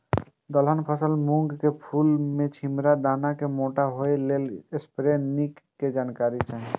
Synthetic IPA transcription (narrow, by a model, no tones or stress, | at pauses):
d̪ɔlɦɔnpʰɔsəlmuŋɡkepʰulmẽt͡ʃʰimɾad̪anakemoʈaɦoelelespɾenikːed͡ʒankaɾit͡ʃʰaɦ